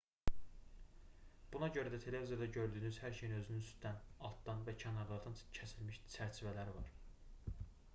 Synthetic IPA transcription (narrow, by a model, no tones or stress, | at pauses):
b̥unɑɟø̞ɾæd̪æt̪ʰe̞le̞vizijɑd̪ɑɟø̞ɾd̪yːnyzhæɾʃejinø̞zynynyst̪d̪ænɑlˠt̪d̪ɑnvæcʰænɑɾlˠɑɾd̪ɑncʰæsilmiʃt͡ʃʰæɾt͡ʃʰivælæɾivɑ̰ɾ